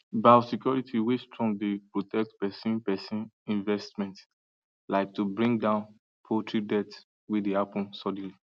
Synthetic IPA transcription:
basikjɔɹitʰiwestɹɔ̃ŋdepɹotʰɛk̚tpɛsĩnpɛsĩnĩnvɛstmɛ̃nt | laɪk̚tubɹĩŋɡdãʊ̃n | pʰotʰɹidɛts | widehapɔ̃nsɔd̃n̩li

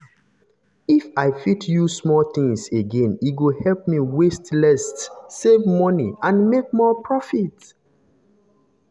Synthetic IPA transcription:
ifaɪfitʰjusmɔlt̪ĩŋseɡẽniɡohɛlp̚miwestlɛstsevmɔnḭãnmek̚mɔpʰɹɔfit

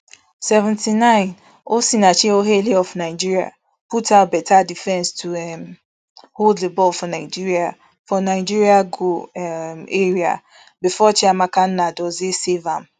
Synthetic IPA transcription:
sɛvɛ̃ntʰinãɪ̃n | osinãt͡ʃiɛoɦeliɔfnãɪd͡ʒiɹia̰ | pʰutʰaʊbɛtʰadifɛ̃nstʰuɛm | holdlibɔlfɔnãɪd͡ʒiɹia | fɔnãd͡ʒiɹiaɡo | eɹia̰ | bɪfɔt͡ʃʰɪamãkʰan̩nãdɔzɪsevãm

